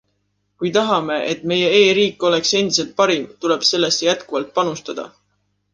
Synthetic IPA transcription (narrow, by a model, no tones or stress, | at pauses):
kujt̪ɑɦɑme̞ʔet̪ːˑme̞je̞e̞ːɾiːkːˑo̞le̞kse̞nd̪̥ise̞lt̪̚pɑɾimt̪ule̞b̥se̞lːe̞st̪ːejæt̪kuvɑlt̪̚ˑpɑnust̪ɑd̪̥ɑ̰